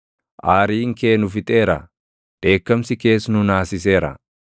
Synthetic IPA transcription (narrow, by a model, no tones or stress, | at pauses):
ʔaːɾiːŋke̞ːnʊfɪt̪ʼe̞ːɾɐ̰ | d̪̥e̞ːkːɐmsɪke̞ːsnʊnaːsɪse̞ːɾɐ̰